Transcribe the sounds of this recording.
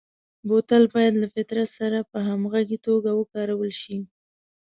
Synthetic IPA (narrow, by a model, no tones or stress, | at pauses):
bot̪albɑjad̪lafɪt̪ɾat̪saɾapəɦamɣaɡit̪oɡawəkɑɾawəlʃi